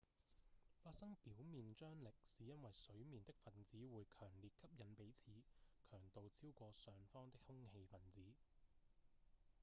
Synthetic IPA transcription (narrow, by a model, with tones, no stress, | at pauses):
faː˧t̚sɐ˥ŋpiː˨˥wmiː˨nt͡ʃœː˥ŋlɪ˨k̚siː˨˦jɐ˥nwɐ˨jsɵ˨˥ɥmiː˨nt̪ɪ˥k̚fɐ˨˩nt͡siː˨˥wuː˨˧jkʰœː˨˩ŋliː˨t̚kʰɐ˥p̚jɐ˨˧npe˨˥jt͡sʰiː˨˧kʰœː˨˩ŋt̪o˨wt͡sʰiː˥wkʷɔː˧sœː˨ŋfɔː˥ŋt̪ɪ˥k̚hʊ˥ŋhe˧jfɐ˨˩nt͡siː˨˥